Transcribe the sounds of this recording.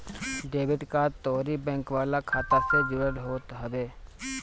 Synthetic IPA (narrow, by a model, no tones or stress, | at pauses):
ɖeːbɪʈkaːt̪oːɾibɛ̃ːŋkʋaːlakʰaːt̪əsed͡ʒʊɽəɽɦoːt̪ɦəʋeː